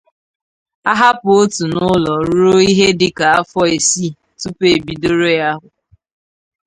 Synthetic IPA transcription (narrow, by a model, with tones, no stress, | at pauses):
a˦ɦa˦pʊ˨o˦tu˨nʊ˦lɔ˨ɾo˦i˦ɦe˦dɪ˦ka˨a˦fɔ˦e˨si˦ | tu˦pe˨bi˨do˦ɾo˦ja˦ɦʊ˨